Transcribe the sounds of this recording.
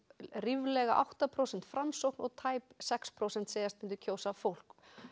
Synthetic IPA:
rivlɛɣaʔa̰wht̪apʰɾowsɛnt̪fɾamsowknɔɣt̪ʰaːjpsɛkspʰɾowsɛnt̪seːjast̪mɪnt̪ʏɾcʰoːwsafowl̥k

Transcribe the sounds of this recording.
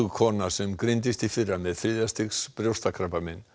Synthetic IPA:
ɣkʰɔːnasɛmkɾɪnt̪ɪst̪ifɪrːamɛðθɾiːðjast̪ɪxspɾjowst̪akʰɾapamɪnː

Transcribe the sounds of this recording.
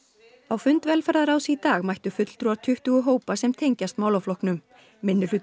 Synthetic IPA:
awfʏnt̪vɛlfaɾðaɾaːwsit̪aːɣmajht̪ʏfʏt̪l̥t̪ɾuwaɾt̪ʰʏht̪ʏɣʏɦoːwpasɛmt̪ʰejɲcast̪maːwlawflɔhknʏm | mɪnːʏ̥ʏ

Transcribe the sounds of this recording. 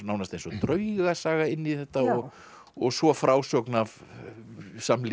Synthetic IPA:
nawnast̪ejnsɔt̪ɾœɥɣasaːɣaɪnːiθɛht̪aɔɣ | ɔɣsvɔfɾaːwsɔknav | saml

